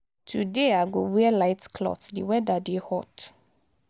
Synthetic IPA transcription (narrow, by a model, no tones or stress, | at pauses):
tʰudeaɡowɛɛlaɪtkʰlɔ̰tdiwɛdadehɔt